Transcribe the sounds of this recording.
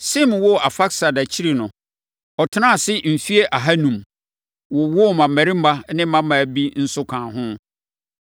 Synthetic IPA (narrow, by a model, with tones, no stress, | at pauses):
sɪ˦mwɔ˦˨a˨fa˦ksa˨da˨t͡ɕʰi˦ɾi˨nʊ̃˨ | ɔ˨tʰɪ˦nã˦˨sɪ˦m̩˨fi˦e˦ʔa˨ɦa˦nũ˨m | wɔ˨wɔ˦˨mã˨mæ˨ɾi˦m̩˦ba˦nɪ̃˦mã˦mã˨bi˦n̩˦sʊ˦kʰã˨ɦʊ̃˦